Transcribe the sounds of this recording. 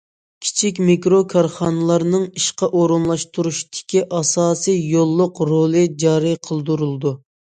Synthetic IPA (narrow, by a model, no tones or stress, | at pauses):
kʲʰi̥t͡ʃʰik̬ʲmikɾokʰɑɾχɑnɨlˠɑɾnɨŋiʃqɑʔoɾunlˠɑʃt̪uɾuʃt̪ʰɪ̥kʲiʔɑsɑːsijjolˠːʊqɾolˠɨd͡ʒɑːɾɨqʰəlˠd̪uɾulˠd̪u